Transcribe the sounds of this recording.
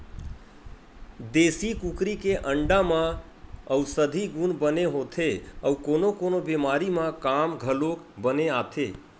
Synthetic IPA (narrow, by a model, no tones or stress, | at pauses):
d̪eːsikukɾikeʔə̃ɳɖamã | əwsəd̪ʱiɡunbəneɦoːt̪ʰeəwkonokonobemaːɾimãkamɡʱəlok | bəneaːt̪ʰe